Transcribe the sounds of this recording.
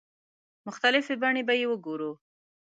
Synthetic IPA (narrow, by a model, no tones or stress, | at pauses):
mʊxt̪alɪfebaɳebajewəɡoɾu